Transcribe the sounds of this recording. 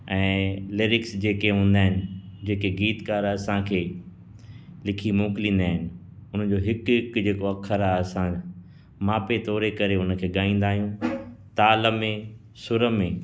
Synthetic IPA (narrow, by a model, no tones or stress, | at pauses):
ɛ̃ːleːɾɪksd͡ʑeːkeɦũːn̆d̪aːɦɪnɪ̆d͡ʑeːkeɡiːt̪kaːɾɐsãkʰeː | lɪkʰimõːkɪlĩːnd̪aːɦɪnɪ̆ | ʊn̤əd͡ʑoːɦɪkkd͡ʑeːkoɐkʰːəɾaɐsã | maːpet̪ɔːɾekɐɾeʊnəkʰeːɠaːĩːn̆d̪aːɦijũt̪aːləmẽ | sʊɾəmẽː